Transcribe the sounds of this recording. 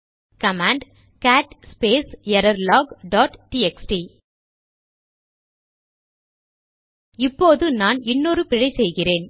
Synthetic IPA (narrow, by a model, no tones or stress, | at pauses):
kɐmaːɳɖ | kaːʈspeːsjɐɾɐɾlaːɡɖaːʈʈiɛksʈi | ɪpːoːðɯnaːnɪnːoːɾɯpɪɻɐɪsɛjɣɪreːn